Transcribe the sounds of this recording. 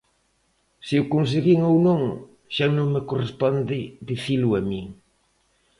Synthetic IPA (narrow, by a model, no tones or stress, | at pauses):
sɪʊkuns̬eɣiŋownõŋ | ʃanõŋmekorespɔnd̪ɪd̪iθilʊamiŋ